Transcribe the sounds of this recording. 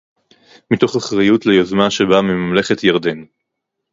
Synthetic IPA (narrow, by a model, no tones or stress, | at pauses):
mito̞χaχʁajutlejozmaʃebamimamle̞χetjaʁd̪en